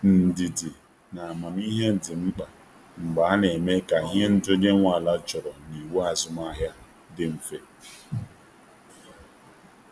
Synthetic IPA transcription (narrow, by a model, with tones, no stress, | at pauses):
n̩˨di˨dɪ˨ | na˨ma˨n˦i˦ɦe˦n̩˨dɪ˨ŋ͡m̩˦k͡pa˨ | ŋ͡m̩˨ɡ͡ba˨a˦ne˨me˦ka˨ɦe˦n̩˦do˦de˦ŋʷa˨la˦t͡ʃɔ˨ɾɔ˨ni˨wu˦a˨zʊ˦ma˦ɦja˦ | dɪ˦m̩˨fe˦